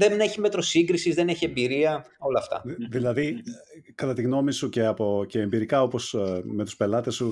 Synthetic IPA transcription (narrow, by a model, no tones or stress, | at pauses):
ðeneçimet̪ɾo̞siŋɡɾisizðeneçie̞mbiɾiɐo̞lɐːft̪ɐ̰ðilɐðikɐt̪ɐt̪iɣno̞misuce̞ɐpo̞ceːmbiɾikɐo̞po̞sme̞t̪u̥spelɐt̪e̞su